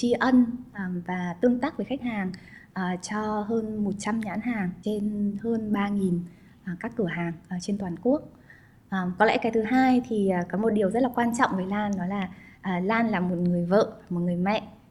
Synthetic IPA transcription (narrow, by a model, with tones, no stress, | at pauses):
t͡ɕi˧ʔə˧nʔə˨˩vaː˨˩t̪ɨ˧əŋt̪aː˦˥k̚ve˧˨˩xa˦˥k̟̚haː˨˩ŋ | ʔəː˨˩t͡ɕɔ˧ɦəː˧nmo˨˩t̚t͡ɕa˧mɲa̰ː˧˨˦nhaː˨˩ŋt͡ɕe˧nhəː˧nɓaː˧ŋi˨˩n | ʔə˨˩kaː˦˥kːɨ˧˩əɦaː˨˩ŋʔəː˨˩t͡ɕe˧nt̪waː˨˩nku˦˥ək̚ | ʔəː˨˩mkɔ˨˦lɛ̰˧˥kaː˨˩jt̪ɨ˨˦ɦaː˧jt̪ʰiː˨˩˨kɔ˨˦mo˨˩t̚ɗi˨˩əwzə˦˥t̚laː˨˩kwaː˧nt͡ɕɔ̰˧˨wŋ͡mvə˨˦jlaː˧nɗɔ˨˦jlaː˨˩ʔəː˨˩laː˧nlaː˨˩mo˨˩t̚ŋɨ˨˩əjvə̰ː˧˨vaː˨˩m˨˩t̚ŋɨ˨˩əjmɛ̰˧˨ʔ